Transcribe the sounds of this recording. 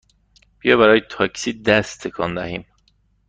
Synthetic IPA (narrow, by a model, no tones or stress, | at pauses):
b̥ijɒːbæɾɒːjet̪ʰɒcʰsiːd̪æst̪t̪ʰːekʰɒnd̪æhiːm